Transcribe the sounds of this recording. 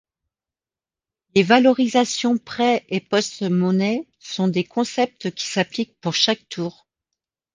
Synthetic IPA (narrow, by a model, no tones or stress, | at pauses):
levalɔʁizasjɔ̃pχɛʔepɔst̪mɔnɛ | sɔ̃d̪ekɔ̃sɛp̚t̪kʲi̥saplik̚puʁʃak̚t̪ʰuːʁ